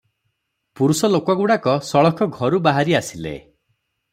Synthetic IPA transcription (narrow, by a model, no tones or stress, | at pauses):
puɾusɔlokɔɡuɽakɔsɔɭɔkʰɔɡʱɔɾubaɦaɾiasilḛ